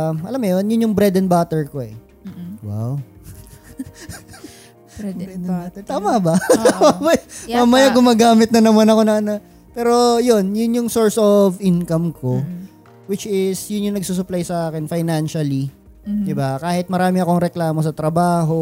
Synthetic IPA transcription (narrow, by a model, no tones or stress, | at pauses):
ʔɐlamːojonjʊnjʊŋbɾɛd̪ɛnbaːt̪ɛɹko̞ɛ̰ | wa̰w | at̪t̪aːmɐbɐt̪aːmɐbɐmamɐjaɡʊmaːɡaːmɪt̪̚nɐnɐmanɐko̞nɐɐnɐ | pɛːɾo̞jonjʊnjʊŋsoɹsovʔɪnkɐmko̞ | wɪt͡ʃɪsjʊnjʊŋnɐɡ̚suːs̬ʊplajsɐʔaːkɛnfajnanʃɐli | d̪ɪbakaːhɪt̪̚mɐɾaːmɪɐko̞ŋɾɛklaːmo̞s̬ɐt̪ɾɐbaːɦo̞